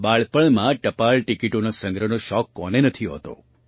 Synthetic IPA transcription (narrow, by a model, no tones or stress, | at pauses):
baɭpəɭmãʈəpaɭʈikiʈonasə̃ŋɡɾənoʃɔkːɔnenət̪ʰiɦɔ̰t̪o̰